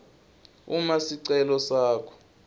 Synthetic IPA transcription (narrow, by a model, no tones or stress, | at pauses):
ṵmasiǀɛlɔsaːkʰɔ̥